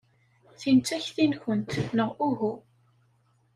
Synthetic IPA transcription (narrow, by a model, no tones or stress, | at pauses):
θint͡sæçθinçənt̪nəʁʔuɦu